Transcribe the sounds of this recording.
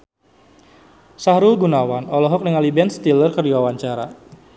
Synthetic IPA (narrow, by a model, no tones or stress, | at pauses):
sahɾulɡunawanɔlɔɦɔk̚nəŋalibɛnst̪ilərkərdiwawaɲt͡ʃaɾa̰